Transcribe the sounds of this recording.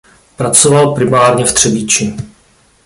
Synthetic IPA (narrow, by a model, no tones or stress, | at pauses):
pɾat͡sovalpɾɪmaːɾɲɛft̪r̥ɛbit͡ʃɪ